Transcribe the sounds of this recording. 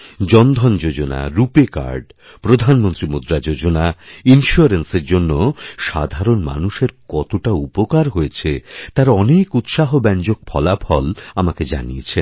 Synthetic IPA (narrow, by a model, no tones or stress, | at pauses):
d͡ʑɔnd̪ʱɔnd͡ʑod͡ʑona̰ɾupeka̰ɾɖ | pɾod̪ʱanmont̪ɾimud̪ɾad͡ʑod͡ʑonainʃuaɾenseɾd͡ʑonːoʃa̰d̪ʱaɾonma̰nuʃeɾkɔt̪oʈaupokaɾɦojet͡ɕʰet̪aɾɔnekut̪ʃaɦobɛnd͡ʑok̚pʰɔlapʰɔlamaked͡ʑa̰nijet͡ɕʰe